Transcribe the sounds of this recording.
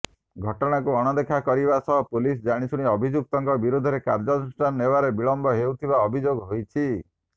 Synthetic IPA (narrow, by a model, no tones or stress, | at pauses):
ɡʱɔʈɔɽ̃akuɔɽ̃ɔd̪ekʰakɔɾibasɔɦɔpulis̬d͡ʒaɽ̃isuɽ̃iɔbʱid͡ʒuk̚t̪ɔŋkɔbiɾud̪ʱɔɾekaɾd͡ʒɔsʈannebaɾebiɭɔmbɔɦeut̪ʰibaɔbʱid͡ʒoɡɦojt͡ʃʰi